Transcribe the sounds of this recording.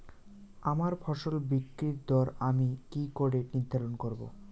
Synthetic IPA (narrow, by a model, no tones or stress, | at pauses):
amaɾfʰɔʃolbikːɾiɾd̪ɔɾamikikoɖeɾnid̪ʱːaɾonkoɾbo̰